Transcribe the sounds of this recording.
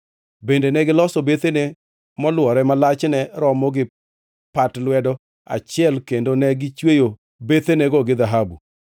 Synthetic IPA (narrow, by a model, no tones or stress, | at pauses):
bendenɛɡɪlɔsɔbet̪ene | mɔlwɔɾɛmalat͡ʃnɛɾɔmɔɡɪ | patlwɛdɔ | a̰t͡ʃɪɛlkendonɛɡɪt͡ʃwejo | bet̪enɛɡɔɡɪd̪aɦabu